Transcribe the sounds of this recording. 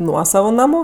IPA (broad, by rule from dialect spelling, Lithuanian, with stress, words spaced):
ˈnuɔsɐʋʊ nɐˈmʊ